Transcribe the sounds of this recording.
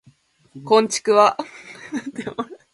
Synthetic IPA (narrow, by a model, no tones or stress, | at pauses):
kõ̞ɲ̟t͡ɕi̥kɯ̟βanat̪ːemoɾ